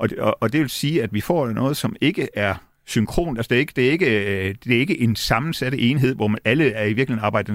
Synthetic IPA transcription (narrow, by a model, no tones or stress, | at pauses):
ʔɒ̽ɒʔɒd̥e̝ʋe̝lsiːæd̥ʋifɒ̰ːd̥nɔ̽ːð̞̩ˠsɒ̽me̝ɡ̥əʔæɐ | syŋkʰʁo̝̰ːnælsɒd̥e̝e̝ɡ̥əd̥e̝ɐe̝ɡ̥əd̥e̝ɐe̝ɡ̥əʔe̝nsɑ̈mn̩sæɾ̥əʔeːnɦe̝ð̞̰ˠʋɒmʔæləæɐiʋiɐɡ̥lihe̝nɑ̈ːb̥ɑ̈ɪ̰d̥̩